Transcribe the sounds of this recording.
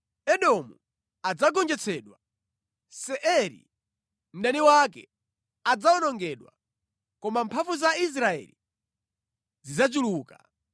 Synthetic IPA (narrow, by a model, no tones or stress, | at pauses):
ɛɗɔmu | ad͡zaɡɔnd͡ʒɛt͡sʰɛːɗwa | sɛʔɛɾḭ | m̩daniwakɛ̰ | ad͡zaɔnɔŋɡɛɗwa̰ | kɔmampʰafuzais̬ɾaɛ̰lḭ | zizat͡ʃuluːka